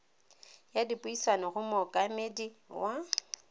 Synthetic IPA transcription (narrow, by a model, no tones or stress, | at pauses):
jadipʼʊisanɔɣʊmʊkʼamediwa